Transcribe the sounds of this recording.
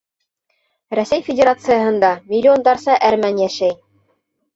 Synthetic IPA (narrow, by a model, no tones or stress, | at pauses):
ɾæsæjfʲɪdʲeɾat̪sɨjəɦɤ̆nd̪ɑmʲɪlʲːɪo̞nd̪ɑɾsɑʔæɾmænjæʃæj